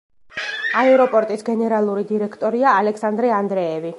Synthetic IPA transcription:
aɛɾɔpʼɔɾt̪ʼisɡɛnɛɾalˠuɾid̪iɾɛkʰt̪ʼɔɾiaːlɛkʰsand̪ɾɛand̪ɾɛːvi

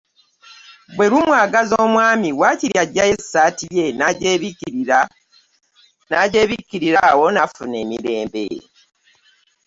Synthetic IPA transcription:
bwe̞ɾumwaːɡazoːmwaːmiwaːciɾjaɟːaje̞saːtije̞naɟe | naɟeβikiɾiɾawo̞nafune̞ːmiɾe̞ːmbḛ

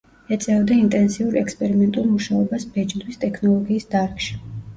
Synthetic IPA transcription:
ɛt̪sʼɛvd̪aint̪ʼɛnsiuɾɛkspʼɛɾimɛnt̪ʼulˠmuʃaɔbasbɛd͡ʒd̪wist̪ʼɛkʰnɔlˠɔɡiːsd̪aɾkʰʼʃi̥

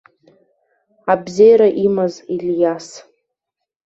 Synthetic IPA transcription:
abzejaɾaʔimaziljas

